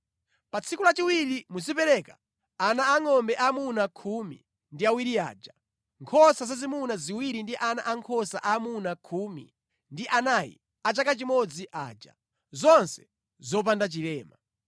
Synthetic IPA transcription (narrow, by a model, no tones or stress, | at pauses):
pat͡sʰikulat͡ʃiwiɾimuzipɛɾɛkḁ | anaːŋɔmbɛʔamunakʰumḭ | ndiawiɾia̰ːd͡ʒa | ŋkʰɔsazazimunaziwiɾindiʔana̰ʔaŋkʰɔsa̰ʔamunakʰumḭ | ndiʔanajḭ | at͡ʃakat͡ʃimɔd͡ziʔa̰ːd͡ʒa̰ | zɔnsɛ̥ | zɔp̬andat͡ʃilɛːma